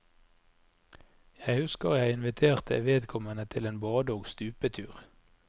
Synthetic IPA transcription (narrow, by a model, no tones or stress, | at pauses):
jæɪhʉskəʁjæɪɪnʋɪt̪ʰeːʁt̪ʰə̰ʋeːd̪kʰɔmənət̪ʰɪleːnbɑːd̪oːɡst̪ʉːpət̪ʰʉːʁ